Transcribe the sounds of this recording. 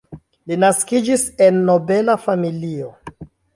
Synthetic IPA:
linaskid͡ʒise̞nːo̞be̞lafamilio

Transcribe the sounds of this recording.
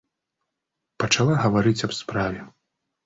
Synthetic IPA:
pɐt͡ʂalˠaɣɐvaɾɨt͡sʲɐbspɾavʲɛ

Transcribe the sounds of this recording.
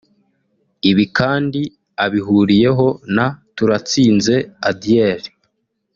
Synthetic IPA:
iβikaːndi | aβiɦuɾije̞ɦo̞natuɾat͡siːnze̞adijeːɾi

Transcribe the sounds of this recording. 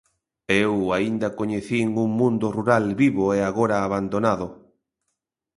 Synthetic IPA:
ewaind̪ɐkoɲeθiŋuŋmũnd̪ʊruɾalβiβoeaɣoɾaːβand̪onaðʊ

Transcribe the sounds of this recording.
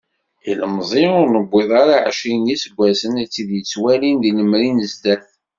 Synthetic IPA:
iləmzˤeʊɾnəbːeðˤaɾaʕʃinisəɡʷːæsənæt͡sːiðjət͡sːwælinðiləmɾinəzd̪æθ

